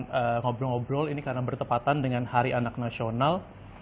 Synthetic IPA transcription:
nəŋɔbɾɔŋɔbɾɔlinikarnabərt̪əpat̪andəŋanhaɾiʔanak̚nasional

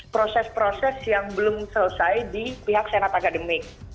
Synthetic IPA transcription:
pɾosɛspɾosɛsjaŋbəlʊmsələsajdipiɦak̚senat̪akadəmɪk̚

